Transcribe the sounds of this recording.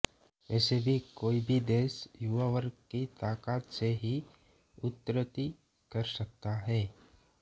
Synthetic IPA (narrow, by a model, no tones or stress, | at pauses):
ɛːsebʱikoːibʱid̪eːsjuʋaʋəɾkit̪aːkaːt̪seɦi | ʊt̪ːɾət̪i | kəɾsək̚t̪aɦɛː